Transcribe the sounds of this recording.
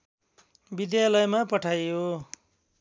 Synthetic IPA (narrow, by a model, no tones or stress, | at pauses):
bid̪jalʌjmapʌʈʰajo